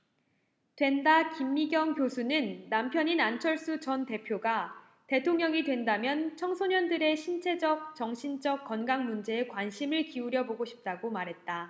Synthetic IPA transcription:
twe̞ndakimːiɡjʌŋkjosʰunɯnːampʰjʌɲinant͡ɕʰʌɭs͈ut͡ɕʌnte̞pʰjoɡa | te̞tʰoŋɲʌŋidwe̞ndamjʌnt͡ɕʰʌŋsʰoɲʌndɯɾe̞ɕʰint͡ɕʰe̞d͡ʑʌk̚t͡ɕʌŋɕʰind͡ʑʌk̚k͈ʌnɡaŋmund͡ʑe̞ːkwanɕʰimɯɭkiuɾjʌboɡoɕʰi̥p̚t͈aɡomaɾɦe̞t̚t͈a

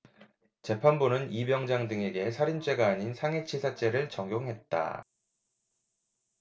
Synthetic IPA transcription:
t͡ɕe̞pʰanbunɯnibjʌŋd͡ʑaŋdɯŋe̞ɡe̞sʰaɾind͡ʑ͈e̞ɡaːɲinsʰaŋet͡ɕʰisʰat͡ɕ͈e̞ɾɯɭt͡ɕʌŋɡjoŋɦe̞t̚t͈a̰

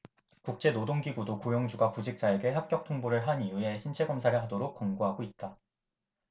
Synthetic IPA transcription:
kuk̚t͡ɕ͈e̞nodoŋɡiɡudokojʌŋd͡ʑuɡakud͡ʑik̚t͡ɕ͈ae̞ɡe̞ɦak̚k͈jʌk̚tʰoŋboɾɯɭɦanijue̞ɕʰint͡ɕʰe̞ɡʌmsʰaɾɯɭɦadoɾok̚k͈ʌŋɡoɦaɡoit̚t͈a

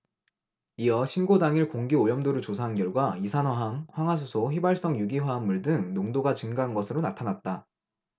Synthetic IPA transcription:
iʌɕʰinɡodaŋiɭkoŋɡiojʌmdoɾut͡ɕos̬ʰanɡjʌɭɡwaisʰanɦwaɦaŋɸwaŋwas̬ʰusʰoɸibaɭs͈ʌŋjuɡiɦwaɦanːuɭdɯŋnoŋdoɡat͡ɕɯŋɡaɦanɡʌsʰɯɾonatʰanat̚t͈a

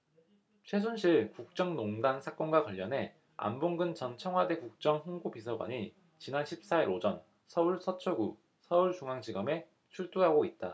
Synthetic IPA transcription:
t͡ɕʰe̞s̬ʰunɕʰiɭkuk̚t͡ɕ͈ʌŋnoŋdansʰak͈ʌnɡwakʌʎːʌnɦe̞ | a̰mboŋɡɯnt͡ɕʌnt͡ɕʰʌŋɦwade̞kuk̚t͡ɕ͈ʌŋɸuŋɡupisʰʌɡwa̰ɲi | t͡ɕinanɕʰip̚s͈aiɾod͡ʑʌn | sʰʌuɭsʰʌt͡ɕʰʌɡu | sʰʌuɭt͡ɕuŋɦaŋd͡ʑiɡʌme̞ | t͡ɕʰuɭt͈uɦaɡoit̚t͈a

